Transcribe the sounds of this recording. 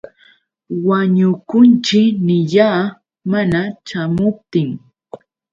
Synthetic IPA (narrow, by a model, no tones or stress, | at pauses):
waɲʊkʊnt͡ʃɪknɪʎaː | manat͡ʃamʊp̚t̪ɪŋ